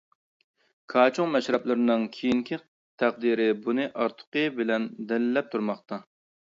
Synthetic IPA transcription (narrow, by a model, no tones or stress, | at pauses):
kʰɑːt͡ʃʰʊŋmɛʃɾɛplˠɨɾɪnɨŋkʲʰijiŋkʲʰi | t̪ʰæq̚d̪iɾɪbunɨʔɑɾt̪ʰə̥qəbɪlɛnd̪ɛlɪlːɛp̚t̪ʰuɾmɑχt̪ʰɑ